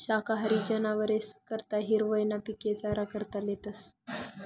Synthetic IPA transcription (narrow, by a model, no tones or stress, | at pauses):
ɕakaɦəɾid͡ʑənaʋəɾeskəɾt̪aɦiɾʋəjnapiket͡saɾakəɾt̪alet̪əs